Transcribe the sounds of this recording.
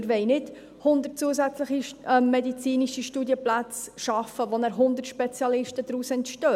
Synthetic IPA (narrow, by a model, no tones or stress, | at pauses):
ɾʋɛɪnɪd | hʊnd̪əɾt̚t͡suːəsæt͡sləχiɛmːɛdit͡siːniʃiʃtuːdjəplæt͡sʃɑfːəʋonæːɾɦʊnd̪əɾrtʃpɛt͡sjɑlɪʃtəd̥̪ɾuːsɛntʃtœː